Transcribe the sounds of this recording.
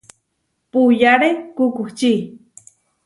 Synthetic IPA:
pujaɾekukuht͡ʃi

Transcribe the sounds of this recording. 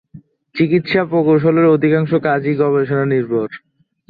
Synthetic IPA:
t͡ɕikit̪ʃapokowʃ̬oleɾod̪ʱikaŋʃokad͡ʑiɡɔbeʃonaniɾbʱoɾ

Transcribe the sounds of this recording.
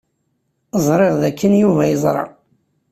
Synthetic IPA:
əzˤɾˤeʁðækːənjuvæjəzˤɾˤɑ̰

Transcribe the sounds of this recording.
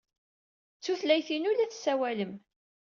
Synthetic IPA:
t͡sːuθlæjθinʊlæθsːæwæləm

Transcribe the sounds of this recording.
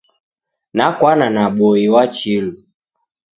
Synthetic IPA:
nakwananaɓɔiwat͡ʃilu

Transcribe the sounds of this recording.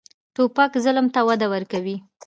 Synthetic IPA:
ʈopakzələmt̪awad̪awəɾkawi

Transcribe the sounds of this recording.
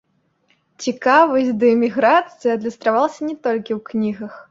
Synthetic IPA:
t͡sʲikavɐsʲtʲd̪ɐmʲiɣɾat̪sɨjɐɐd̪lʲist̪ɾavalˠɐsʲɐnʲɛt̪ɔlʲkʲiwknʲiɣɐx

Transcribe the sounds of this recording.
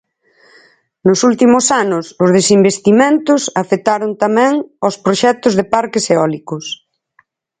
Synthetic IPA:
nʊsult̪imʊsanʊsʊzð̞esimbest̪imẽnt̪ʊsafet̪aɾʊnt̪amɛ̃ŋospɾoʃɛt̪ʊzðepaɾkɪseɔlikʊs

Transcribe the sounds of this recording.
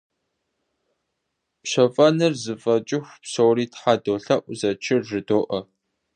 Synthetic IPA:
pɕɐfʼɐnɨrzɨfʼɐt͡ʃʼɪxʷpsowɾiːtħadoːɬɐʔʷʊzɐt͡ʃʰɪrʐɨdoːʔɐ

